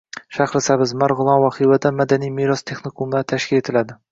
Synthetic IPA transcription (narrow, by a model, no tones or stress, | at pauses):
ʃaχɾɪsabɪzmaɾʁʊlˠɒnvaχivad̪amad̪anijmeɾɒst̪ʰe̞χnikʰumat̪ʰaʃkʲɪle̞t̪ʰɪlad̪ɪ